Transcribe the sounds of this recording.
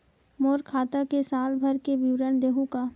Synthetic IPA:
moːɾkʰaːt̪akesaːlbʱəɾkeʋiwɾənd̪eːɦũkaː

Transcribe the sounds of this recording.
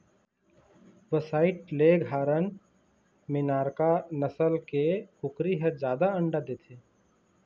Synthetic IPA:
ʋəsaːɪʈ̚leɡʱaːɾən | mɪnaːɾkanəsəlkekʊkɾiɦəd͡ʒjaːd̪aə̃ɳɖad̪eːt̪ʰeː

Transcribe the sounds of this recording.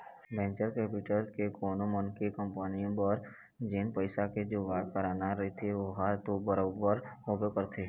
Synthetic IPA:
bɛ̃ːnt͡ʃəɾkeːpiʈəɾkekoːnomənkekə̃mpənĩbəɾ | d͡ʒenpəɪsaked͡ʒobaːʈ̚pəɾaːnaɾɐɦit̪ʰeʋoɦat̪obəɾobəɾɦobekəɾt̪ʰeː

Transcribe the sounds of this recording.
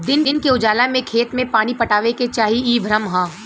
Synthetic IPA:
d̪ɪnnkeʊd͡ʒaːlamẽkʰeːt̪mẽpaːnipɐʈaːʋeket͡ʃaːɦiiːbʱɾəmɦãː

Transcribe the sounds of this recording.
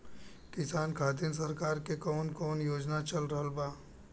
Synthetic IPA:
kɪsaːnkʰaːd̪ins̬ɐɾkaːɾkekɔːnkɔːnjoːd͡ʒnat͡ʃɐlɾəɦəlbaː

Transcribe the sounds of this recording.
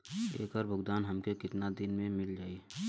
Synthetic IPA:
ḛːkəɾbʱʊɡd̪aːnɦɐmkekɪt̪nad̪ɪnmẽmɪld͡ʒaːi

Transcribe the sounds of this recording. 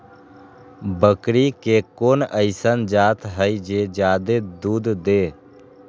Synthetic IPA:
bəkɾikekoːnəɪsənd͡ʒaːt̪ɦəid͡ʒeːd͡ʒaːd̪ed̪uːd̪d̪eː

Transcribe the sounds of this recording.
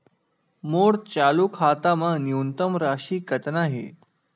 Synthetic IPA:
moɽt͡ɕalukʰat̪amənjunt̪əmɾaɕiːkət̪naɦḛ

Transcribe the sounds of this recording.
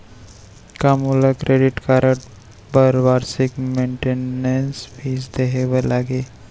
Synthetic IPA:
kamulakɾʔeːɖɪʈkaːɾəʈ | bəɾʋaːɾsɪkmẽːɳʈenensbiːsd̪eɦeʋəlaːɡeː

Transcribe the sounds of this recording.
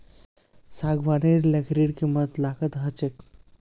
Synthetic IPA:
saɡʋaneɾləkʰɾiɽkimət̪lakət̪ɦət͡ʃek

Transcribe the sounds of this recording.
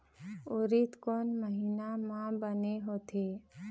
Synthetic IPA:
oːɾit̪koːnməɦiːnamãbəneɦoːt̪ʰe

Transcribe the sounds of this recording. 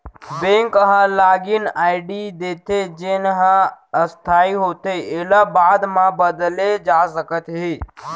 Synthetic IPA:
bẽŋkəɦãlaːɡɪnaːɪɖid̪eːt̪ed͡ʒɪnɦãəst̪ʰaːiɦoːt̪eielabaːd̪mãbəd̪led͡ʒaːsəkət̪ɦeː

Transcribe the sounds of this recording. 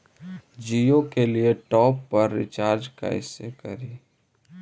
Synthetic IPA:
d͡ʒiokelieʈɔːpːɐɾːɪ̰t͡ʃaːɾd͡ʒka̰ɪsekɐɾiː

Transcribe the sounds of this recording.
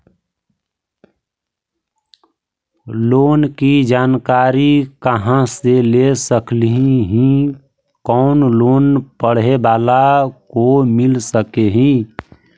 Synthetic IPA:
loːnkid͡ʒaːnkaːɾikəɦãselesəklɦiɦĩ | kɔʊnloːnpəɽ̤ebaːlakomɪlsəkeɦĩ

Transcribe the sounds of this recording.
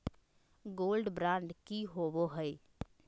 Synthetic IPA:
ɡoːlɖbɾãːɳɖkiɦoːboɦəe

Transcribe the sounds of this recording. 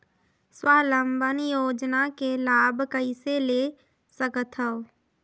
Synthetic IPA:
swaːləmbənjoːd͡ʒnakelaːbʱkəisele | səkət̪ʰɦəo

